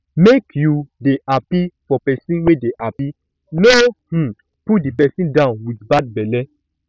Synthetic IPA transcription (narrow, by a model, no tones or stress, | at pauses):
mekjudeʔapifɔpɛsĩnwedeʔapi | noh̩ | put̚dipɛsĩndãʊ̃nwidbad̚bɛlɛ